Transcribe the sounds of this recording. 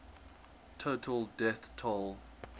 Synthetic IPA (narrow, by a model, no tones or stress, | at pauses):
tʰotʰəlˠdɛθtʰɔlˠ